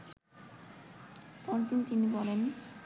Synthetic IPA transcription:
pɔnt̪init̪inibɔlen

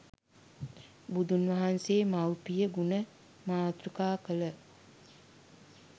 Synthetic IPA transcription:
bud̪unʋɐɦanseːmawpijəɡunə | maːt̪ɾukaːkələ

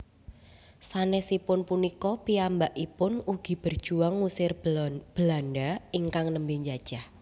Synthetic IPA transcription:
sanɛsipʊnpunikɔpiambaʔipʊnuɡ̥i̤b̥ərd̥ʒ̥uaŋːusɪrb̥əlandaiŋkaŋnəmbɪɲd͡ʒad̥ʒ̥ah

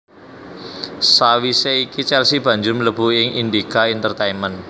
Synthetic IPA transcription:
sawiseikit͡ʃɛlsib̥a̤ɲd͡ʒʊrmələb̥ṳɪŋind̪ikaint̪ərt̪einmən

